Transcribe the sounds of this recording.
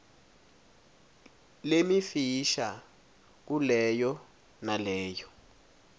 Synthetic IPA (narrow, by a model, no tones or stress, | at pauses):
lemifiʃa | k̬ulɛjɔ | nalɛːjɔ